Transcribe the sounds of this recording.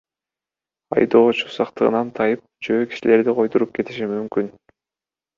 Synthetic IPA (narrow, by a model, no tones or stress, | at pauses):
ɑ̰jd̪o̞ːt͡ʃu̥sɑqt̪ɯʁɯ̰nɑnt̪ʰɑjɯp̚t͡ʃʰø̞ːki̥ʃile̞ɾd̪iqʰo̞jt̪uɾup̚ke̞t̪iʃimymkyn